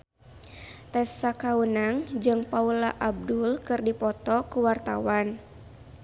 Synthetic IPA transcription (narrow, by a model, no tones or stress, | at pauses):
t̪ɛsakawunaŋd͡ʒɨŋpaulaʔab̚dulkɨrdipɔt̪ɔkuwart̪awan